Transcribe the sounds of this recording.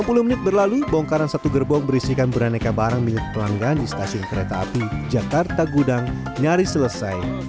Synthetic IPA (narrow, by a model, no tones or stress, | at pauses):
ampuluhmənɪt̪̚bərlalubɔŋkaɾansat̪uɡərbɔŋbəɾisikanbəɾanekabaɾaŋmilɪt̪̚pəlaŋɡaːndist̪asiʊnkəɾet̪a̰ːpid͡ʒakart̪aɡudaŋ | ɲaɾisələsaj